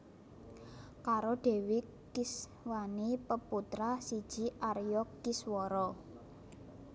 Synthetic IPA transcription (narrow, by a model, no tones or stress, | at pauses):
kaɾoɖ̥e̤wi | kis | wanipəput̪ɾasid̥ʒ̥i̤ʔaɾjɔkiswɔɾɔ